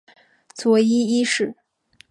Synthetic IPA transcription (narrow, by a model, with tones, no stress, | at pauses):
t͡swɔ˧˥i˥i˥ʂɻ̩˥˩